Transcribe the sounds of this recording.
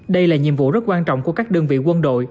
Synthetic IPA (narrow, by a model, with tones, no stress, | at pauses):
ɗə˧jlaː˨˩ɲḭ˧˨əmvṵ˧˨zə˦˥t̚kwaː˧nt͡ɕɔ̰˧˨wŋ͡mku˧˩əkaː˦˥k̚ɗə˧ŋvḭ˧˨kwə˧nɗo̰˧˨j